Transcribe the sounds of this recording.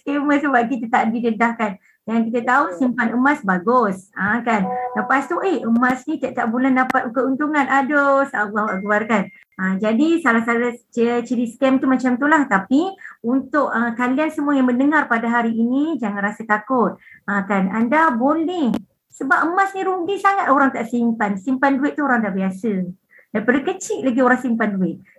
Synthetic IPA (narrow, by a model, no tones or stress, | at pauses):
skeməsəbap̚kit̪at̪aʔbidədahkan | aaŋkit̪ət̪ausimpanəmasbaɡʊsakanləpast̪uʔehəmãsnit̪aʔt̪aʔbulahndapat̪̚ukəunt̪uŋanadosaɡawaʔɡuarkan | əd͡ʒadisalahsalat͡ʃət͡ʃəɾisk̪ɛmt̪umat͡ʃamt̪ulaht̪apiunt̪ʊʔəkaliansəmuajaŋməndəŋarpadaɦaɾiinid͡ʒaŋãnrasət̪akʊt̪̚əkanandabolɛh | səbap̚əmasniɾuŋɡisaŋat̪̚oɾaŋt̪aʔsimpansimpanduɪt̪̚t̪uoɾaŋdabiasə | dajpardukət͡ʃɪʔlaɡioɾaŋsimpanduɪt̪̚